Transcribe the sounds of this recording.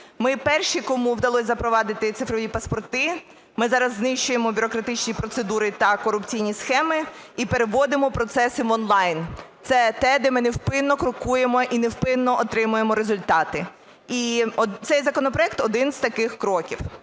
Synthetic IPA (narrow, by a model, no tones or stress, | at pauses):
mɪpɛrʃikɔmuwd̪ɐlˠɔsʲzɐpɾɔʋɑd̪ɪt̪ɪt̪sɪfɾɔʋʲipɐspɔrt̪ɪ | mɪzɑɾɐzːnɪʃt͡ʃʊjemɔbʲʊɾɔkɾɐt̪ɪt͡ʃnʲipɾɔt̪sed̪uɾɪt̪ɐkɔɾʊpt͡sʲijnʲisxɛmɪipeɾeʋɔd̪ɪmɔpɾɔt̪sɛsɪʋɔnlˠɑjnt̪sɛt̪ɛd̪ɛmɪnɪwpɪnːɔkɾʊkuje̞mɔʔinewpɪnːɔʔɔt̪ɾɪmʊjemɔɾezʊlʲt̪ɑt̪ɪ | it̪sɛjzɐkɔnɔpɾɔjɛk̚t̪ɔd̪ɪnzt̪ɐkɪxkɾɔkʲiw